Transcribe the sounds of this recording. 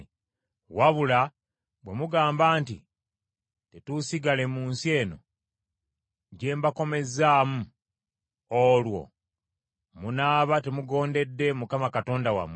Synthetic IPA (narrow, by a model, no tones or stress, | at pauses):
waβula | βwe̞muɡaːmbaːntḭ | te̞tusiɡale̞muːnsie̞ːno̞̰ | ɟe̞ːmbako̞me̞zaːmu | olwo̞̰ | munaːβate̞muɡo̞ːnde̞dːe̞mukamakato̞ːndawa̰m